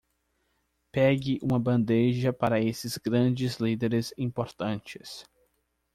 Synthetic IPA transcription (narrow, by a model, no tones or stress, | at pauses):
pɛɡɪʔũmɐbɐ̃nd̪eʒɐpaɾɐesɪz̥ɡɾɐ̃d͡ʒɪzlid̪eɾɪzĩpoɾt̪ɐ̃t͡ʃɪ̥s